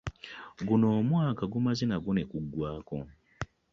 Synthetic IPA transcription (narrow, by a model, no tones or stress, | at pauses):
ɡuno̞ːmwaːkaɡumazinaɡunekuɡwaːko